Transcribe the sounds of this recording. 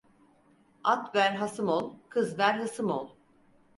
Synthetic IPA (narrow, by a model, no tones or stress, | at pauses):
at̪bæɾɦasɯmolˠkʰɯzvæɾɦɯsɯmolˠ